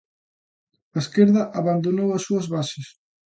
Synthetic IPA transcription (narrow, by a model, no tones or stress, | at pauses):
ɐeskeɾðɐʔaβand̪onowɐsːuɐzβasɪs